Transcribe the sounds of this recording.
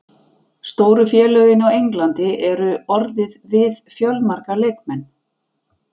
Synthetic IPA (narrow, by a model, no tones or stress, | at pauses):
st̪oːwɾʏfjɛːlœɥɣɪnawejŋklant̪ɪʔɛɾʏɔɾðɪðvɪðfjœlmaɾkalejkmɛnː